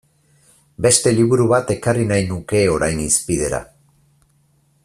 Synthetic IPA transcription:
be̞st̪e̞liβuɾuβat̪e̞karinajnuke̞o̞ɾajnispið̞e̞ɾa̰

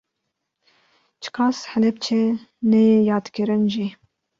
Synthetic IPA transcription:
t͡ʃʰɨ̥kʰɑːshɛlɛbt͡ʃʰɛnɛjɑːd̪kɨɾɨnʒi

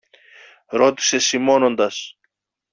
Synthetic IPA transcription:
ɾo̞t̪i̥se̞simo̞no̞nd̪ɐs

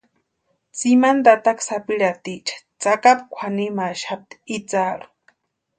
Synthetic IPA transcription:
t͡simand̪at̪aksapiɺat̪it͡ʃʰḁ | t͡sakapkʷʰanimaʃap̚t̪i̥it͡saɺu̥

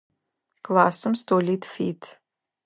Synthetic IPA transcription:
klˠaːsɐmstʰoːliːtʰfiːtʰ

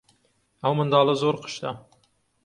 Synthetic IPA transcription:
æwmənd̪ɑːlˠəzoɾqʰə̥ʃt̪ɑ

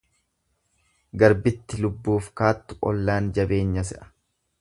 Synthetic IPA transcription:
ɡɐɾbɪt̪ːɪlʊbːuːfkaːt̪ːʊ̥ʔɔ̰lːaːnd͡ʒɐbe̞ːɲːɐsɛʔɐ̥

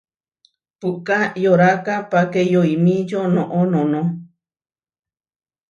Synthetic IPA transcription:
puʔkajoɾakapakejoimĩd͡ʒonõʔonõnõ

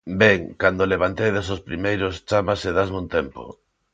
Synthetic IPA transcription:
bɛŋkand̪oleβant̪ejðesospɾimejɾost͡ʃamaseðazmũnt̪ɛmpo̰

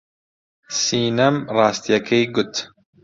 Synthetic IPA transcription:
siːnɐmrɑːst̪ijɐkʰejɡʊt̪

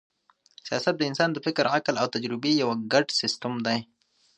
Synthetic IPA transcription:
sijɑ̰ːsat̪̚d̪əɪnsɑːnd̪əfɪkɾaklawt̪ad͡ʒɾɪbejawaɡaʈsɪst̪əmd̪aj

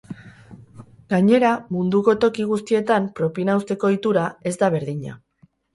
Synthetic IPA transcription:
ɡaɲe̞ɾamund̪uko̞t̪o̞kiɣ̞ust̪ie̞t̪ampɾo̞pinawst̪e̞ko̞it̪uɾae̞zd̪aβ̞e̞ɾðiɲa̰

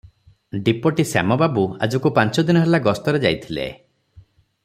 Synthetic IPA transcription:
ɖipɔʈisa̰mɔbabua̰d͡ʒɔkupant͡ʃɔd̪inɔɦelaɡɔst̪ɔɾed͡ʒajt̪ʰilḛ

